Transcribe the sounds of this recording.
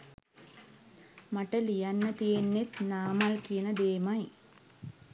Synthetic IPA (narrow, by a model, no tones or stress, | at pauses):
mɐʈːɐlijɐnːɐt̪ienːet̪naːmalkinɐd̪eːmaj